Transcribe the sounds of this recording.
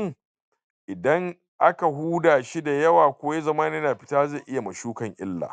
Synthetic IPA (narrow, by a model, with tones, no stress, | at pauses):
ŋ | ʔɪ˨dɐ˦ŋ | ʔa˦ka˨ɦuː˦daː˨ʃi˦da˨jɐ˦waː˨kʷoː˦je˦zɐ˦maː˦ni˦na˨ɸɪ̥˦taː˦ze˦˨ʔɪ˦ja˨mɐ˨ʃuː˦kɐ˨ŋʔɪ̰˦lːa̰ː˨